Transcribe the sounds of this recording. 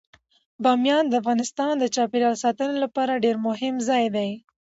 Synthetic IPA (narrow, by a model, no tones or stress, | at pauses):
bɑmjɑnd̪əafɣɑnɪst̪ɑnd̪ət͡ʃɑpeɾjɑlsɑt̪ənelapɑɾaɖeɾmʊɦɪmzɑjd̪aj